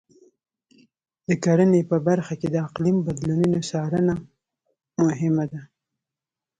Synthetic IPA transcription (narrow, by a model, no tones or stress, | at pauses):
d̪̥əkaɽənepəbaɾxaked̪əaqlimbad̪lununosɑɾəna | mʊɦɪmad̪a